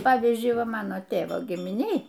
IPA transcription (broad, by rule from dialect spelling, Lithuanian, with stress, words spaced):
ˈpɑːʋʲiːzʲd͡ʒʲʊɪ ˈʋɐ ˈmɑːnoː ˈtʲeːʋoː ɡʲɪmʲɪˈnʲeːj